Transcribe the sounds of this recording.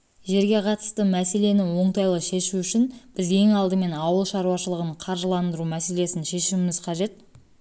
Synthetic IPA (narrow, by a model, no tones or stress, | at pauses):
ʒe̞ɾɡʲe̞qʰɑt̪ə̥st̪əmæse̞le̞nɪwo̞ɴt̪ɑjlˠəʃe̞ʃuʏʃɪnb̥ɪzje̞ŋɑlˠd̪əme̞nɑwəlˠʃɑɾuwɑʃəlˠəʁəɴqʰɑɾʒəlˠɑnd̪əɾumæse̞le̞sɪnʃe̞ʃɪmɪmɪz̥qʰɑʒe̞t̪̚